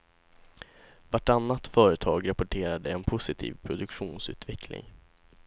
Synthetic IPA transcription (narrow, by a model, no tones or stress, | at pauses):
vaʈanːat̪fœːɾət̪ʰɑːɡɾapɔʈʰeːɾad̪əɛnpʰʊsɪt̪ʰḭːvpʰɾʊd̪ɵkɧuːnsʉ̟ːt̪vɛklɪ̰ŋ